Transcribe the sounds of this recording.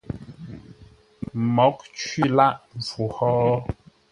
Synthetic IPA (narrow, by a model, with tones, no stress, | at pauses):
mɔ˨˦k̚t͡ʃɥi˦˨la˦ʔvu˨hɔː˦